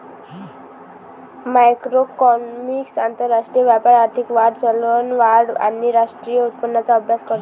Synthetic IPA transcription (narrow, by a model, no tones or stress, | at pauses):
majkɾokɔmiksant̪əɾːaʂʈɾijəʋjapaɾaɾt̪ʰikʋaɽt͡sɔlonʋaɽa̰niɾaʂʈɾijəut̪̚pənːat͡saɔbʱjaskɔɾt̪